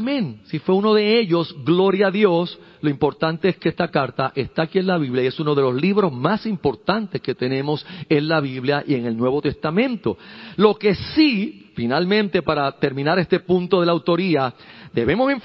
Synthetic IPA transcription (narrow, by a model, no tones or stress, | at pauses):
mẽŋsifweuno̞ðe̞e̞ʎo̞sɡlo̞ɾjaːðjo̞slo̞impo̞ɾt̪ant̪e̞eskeest̪akaɾt̪aʔe̞st̪aːkienlaβiβljaie̞sunoðe̞lo̞sliβɾo̞zmasimpo̞ɾt̪ant̪e̞ske̞t̪e̞nẽ̞mo̞se̞nlaβiβljaʔie̞ŋe̞lnwe̞βo̞t̪e̞st̪amẽ̞nt̪o̞lo̞ke̞sifinalmẽnt̪e̞paɾat̪e̞ɾmĩnaɾe̞st̪e̞pũnt̪o̞ðe̞lawt̪o̞ɾiad̪e̞βe̞moseɱf